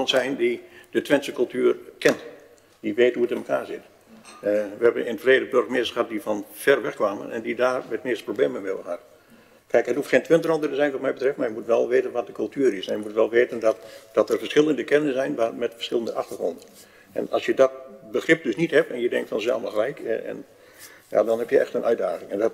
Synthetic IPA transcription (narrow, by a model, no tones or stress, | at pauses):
ɔnsɛjndidətʋɛnsəkɵlˠtyːrkɛnt | diʋeːthuətɪnməkʰa̰ːrzɪt | ʋəhɛbənɪnətfleːdəbørxmɪəstəxəɦhat̚difɔnfɛrʋɛxkʋaːmə̰nɛ̰ndidaːrmɛtmɪstprobleːməmɪlˠə̰hat | kʰɛjkhətufxeːntʰʋɪntərɔndərəzɛjnʋɔtmɛjbətrɛfmarjəmutʋɛlˠʋeːtənʋɔt̚dəkʰɵlˠtyəɾɪsajəmutʋɛlˠʋeːtəndɔtd̥ɔtərfərsxɪlˠəndəkɛnəsɛjnʋamɛtfərsxɪlˠəndəʔaxtərχrondən | ɛ̰nɑ̰lsjədɔt̚bəxrɪp̚døsnithɛpɛnjədɛŋkfɔnsɛ̰lˠməxəlɛjkɛ̰n | ja̰ːdɔnhɛpjəʔɛ̰xtənʔœɥdaːɣɪŋɛndɔ